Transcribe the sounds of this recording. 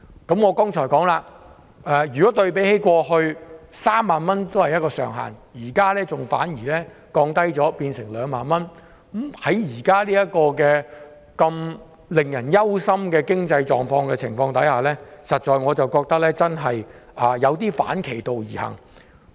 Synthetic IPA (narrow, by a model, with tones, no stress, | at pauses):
kɐ˨˥mŋɔː˨˧kɔː˥ŋt͡ʃʰɔː˨˩jkɔː˨˥ŋlaː˧ | ʔɛː˨˩jyː˨˩kɔː˨˥t̪ɵ˧ɥpe˨˥jhe˨˥jkʷɔː˧hɵ˧ɥsaː˥mːaː˨nmɐ˥nt̪o˥whɐ˨jɐ˥t̚kɔː˧sœː˨˩ŋɦa̰ː˨˩njiː˨˩kaː˥lɛː˥t͡sʊ˨ŋfa̰ː˨˥njiː˨˩lɛː˥ | kɔː˧ŋt̪ɐ˥jt͡sɔː˨˥piː˧nsɪ˨˩ŋlœː˨˧ŋmaː˨nmɐ˥n̩˦˥ | hɐ˨˥jjiː˨˩kaː˥liː˥jɐ˥t̚kɔː˧kɛː˧ | kɐ˧m | lɪ˨˩ŋjɐ˨˩njɐ˥wsɐ˥mkɛː˧kɪ˥ŋt͡sɐ˧jt͡ʃɔː˨ŋfɔː˧ŋkɛː˧t͡sʰɪ˨˩ŋfɔː˧ŋt̪ɐ˨˥jhaː˨˩lɛː˥sɐ˨t̚t͡ʃɔː˨jŋɔː˨˧t͡sɐ˨wkɔː˧k̚t̪ɐ˥k̚lɛː˥t͡sɐ˥nɦɐ˨jʔɐː˨jɐ˨˧wt̪iː˥fa̰ː˨˥nkʰe˨˩jt̪o˨wjiː˨˩hɐ̰˨˩ŋ